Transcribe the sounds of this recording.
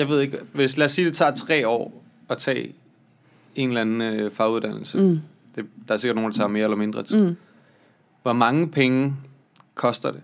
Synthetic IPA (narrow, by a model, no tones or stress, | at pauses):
jɑ̈ɪʋe̝ð̞̰ˠeɡ̥ʋe̝slæːsːiːd̥e̝t͡sʰɑ̰̈ːt͡sʰʁɛ̰ːɒ̰ː | ɒ̽t͡sʰɛ̰ː | e̝nlænn̩øfɑ̈ːuð̞ˠd̥æn̰l̩sə | d̥e̝d̥ɑ̈æɐseɡɐd̥no̝ːnd̥ɑt͡sʰɑ̈me̝ːɐelɐme̝nd̥ʁɐt͡sʰ | ʋɒmɑ̈ŋəpʰeŋə | kʰɒ̽sd̥ɐd̥e̝